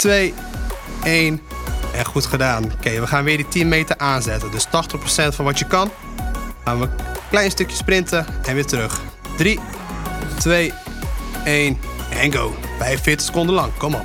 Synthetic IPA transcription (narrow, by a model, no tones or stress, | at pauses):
tʋej | eːnɛnxutχədaːnkeːʋəxaːnʋɪːditinmeːtərʔaːnzɛtəndøstɔxtəχprosɛntfɔnʋɔtjəkɔn | χaːnʋəklɛjnstøkjəsprɪntəɛnʋɪːtərøx | d̥ri | tʋeː | eːnɛnɡoː | fɛjvəfɪːtə̥xsə̥kʊndənlɑŋkɔmɔ